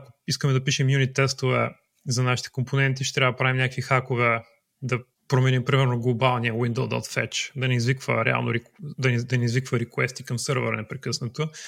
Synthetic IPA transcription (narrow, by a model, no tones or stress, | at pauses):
ɐko̥iskəmɛd̪ɐpiʃɛmjunit̪ːɛst̪ʊvɛ̰ | zɐnaʃi̥t̪ɛ̥komponɛnt̪iʃt̪ɛt̪ɾavəd̪ɐpɾavimɲʲakəkvixakovɛ | d̪ɐ | pɾomɛnimpɾimɛɾnoɡlˠobalˠniəwind̪əlˠd̪ɔ̰t̪fɛ̰t͡ʃd̪ɐnɛizvikvə̰ɾɛ̰a̰lˠno̰ɾid̪ɐnd̪ɐnɛizvikvəɾikwɛ̰st̪i̥kɐmsɤɾvə̰ɾ̰nɛpɾɛkɤsnɐt̪o